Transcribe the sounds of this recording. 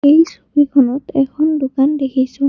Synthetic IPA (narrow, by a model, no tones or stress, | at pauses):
ejsubikʰɔnɔtɛkʰɔndʊkandekʰisʊ̃